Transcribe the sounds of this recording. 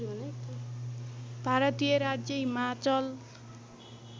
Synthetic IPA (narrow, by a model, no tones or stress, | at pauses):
n | bʱaɾʌt̪ijʌɾad͡zjʌɦimat͡sʌl